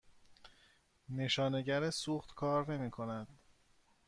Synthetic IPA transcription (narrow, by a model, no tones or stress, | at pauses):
ne̞ʃɒːne̞ɟæɾesuːxt̪kʰɒːɾne̞miːkʰo̞næd̪̥